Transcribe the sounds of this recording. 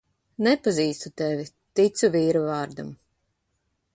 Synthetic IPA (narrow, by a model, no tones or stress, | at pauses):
nɛpaziːst̪ut̪ɛvʲi | t̪it̪suviːɾuvɑːɾd̪am